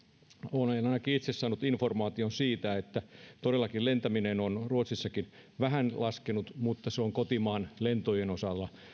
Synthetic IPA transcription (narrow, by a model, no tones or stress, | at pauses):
oːnenɑinɑkiit̪sessɑːnut̪informɑːt̪ionsiːt̪æet̪ːæt̪odelːɑkillent̪æminenonruot̪sisːɑkin | ʋæɦænlɑskenut̪mut̪ːɑseoŋkot̪imɑːnlent̪ojenosɑlːɑ